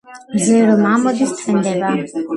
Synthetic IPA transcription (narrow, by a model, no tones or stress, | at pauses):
mzɛɾɔmamɔd̪ist̪ʰɛnd̪ɛba